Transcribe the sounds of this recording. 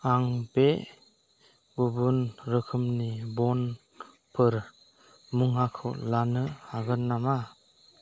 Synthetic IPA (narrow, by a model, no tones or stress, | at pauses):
aŋbe | ɡubunɾɯkʰɯmnibɔn | pʰɯɾ | muŋakʰɯ̰lanɯhaɡɯnːama